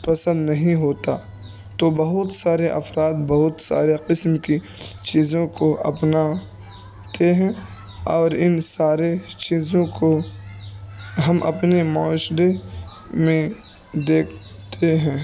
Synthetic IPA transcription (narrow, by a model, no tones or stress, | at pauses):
pɐsə̃nd̪nɐɦĩɦoːt̪a | t̪obɐɦʊt̪saːɾeʔɐ̰fɾaːd̪bɐɦʊt̪sa̰ːɾeqɪsmki | t͡ʃiːzõkoɐ̰pna | t̪eɦɛ̃ | ɔːɾɪnsaːɾet͡ʃiːzõko | ɦɐmʔɐ̰pnemɔːʃd̪e | mẽ | d̪eːkʰ | t̪eɦɛ̃ː